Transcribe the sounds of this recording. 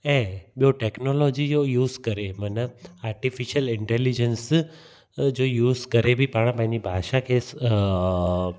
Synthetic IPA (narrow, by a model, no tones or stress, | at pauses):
ẽɓijoʈeknolod͡ʒijojuːzkəɾemənəaːɾʈifiʃəlɪɳʈelid͡ʒəns | d͡ʒojuːzkəɾebʱipaɽ̃ə̃pãĩnibʱaːʃakʰes